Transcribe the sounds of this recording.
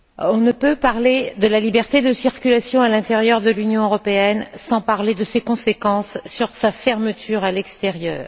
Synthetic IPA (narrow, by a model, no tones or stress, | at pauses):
ɔ̃nəpøpaʁled̪əlalibɛʁt̪ed̪əsiʁkʲylasjɔ̃alɛ̃t̪eʁjœʁd̪əlynjɔ̃øʁɔpeɛnsɑ̃paʁled̪əsekɔ̃sekɑ̃sːyʁsafɛʁmət̪ʰyʁalɛkst̪eʁjœ̰ːʁ